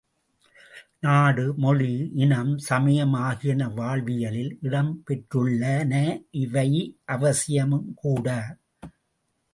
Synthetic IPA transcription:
naːɽɯmɔɻiʔɪɳɐmsɐmɐjɐmaːɣɪɐnɐʋaːɭʋɪjɐlɪlɪɽɐmpɛʈrɯɭːɐnɐʔɪʋɐɪʔɐʋɐsɪjɐmɯmkuːɽaː

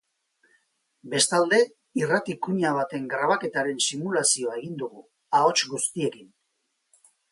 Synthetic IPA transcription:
be̞st̪ald̪e̞ | irat̪ikuɲaβ̞at̪e̞ŋɡɾaβ̞ake̞t̪aɾe̞nsimulasio̞ae̞ɣ̞ind̪uɣu | ao̞t͡ʃɡust̪ie̞kin

